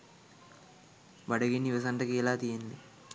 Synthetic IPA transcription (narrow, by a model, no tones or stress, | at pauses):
bɐɽɐɡinːiʋɐsɐɳʈɐkɛlaːt̪ijɐndi